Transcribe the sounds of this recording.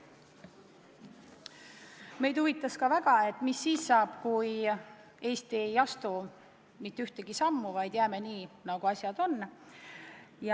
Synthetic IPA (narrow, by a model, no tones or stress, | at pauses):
me̞jd̪̥uvit̪ːˑɑskɑvæɡ̥ɑe̞t̪ːˑmisːiːsːɑːb̥kuj | e̞ːst̪iejɑst̪u | mit̪ːyht̪eɡ̥isɑmːuvɑjd̪̥jæːme̞niːnɑɡ̥uɑsʲjɑd̪̥o̞nː | j